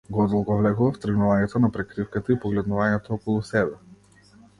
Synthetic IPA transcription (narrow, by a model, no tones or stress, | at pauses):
ɡɔd̪ɔlˠɡɔvlɛɡuvaft̪r̩ɡnuvaɲɛt̪ɔnapɾɛkɾifkat̪aipɔɡlɛd̪nuvaɲɛt̪ɔɔkɔlˠusɛbɛ